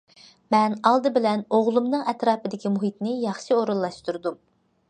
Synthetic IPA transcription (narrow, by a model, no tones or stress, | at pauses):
mɛnɑlˠd̪ɨbɪlɛnoʁlˠumnɨŋɛt̪ɾɑːpɨd̪ɪkʲimuɦit̪nɪjɑχʃioɾulˠːɑʃt̪uɾd̪um